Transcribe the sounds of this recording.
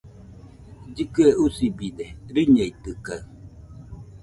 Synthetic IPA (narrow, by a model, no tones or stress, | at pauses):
d͡ʒikɯɛusibidɛɾiɲɛit̪ɨkaɰ